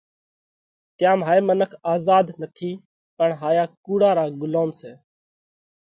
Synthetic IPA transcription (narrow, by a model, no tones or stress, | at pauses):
t̪jãːmɦaːeːmənəkʰaːzaːd̪nət̪ʰiː | pəɳɦaːjaːkuːɽaːɾaːɡʊloːmseː